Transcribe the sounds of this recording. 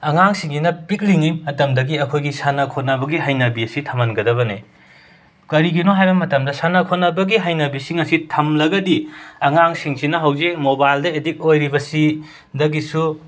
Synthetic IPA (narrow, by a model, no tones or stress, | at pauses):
ɐŋaŋsiŋɡinɐpik̚liŋiɐtɐmdɐɡiɐkʰojɡisanɐkʰot̚nɐbɐɡiɦajnɐbiɐsitʰɐmɐnɡɐdɐβɐnḛ | kɐɾiɡinoɦajbɐmɐtɐmdɐsanɐkʰot̚nɐbɐɡiɦajnɐbisiŋɐsitʰɐmlɐɡɐdiɐŋaŋsiŋsinɐɦɐwzek̚mobajldɐedik̚ojɾibɐsi | dɐɡisu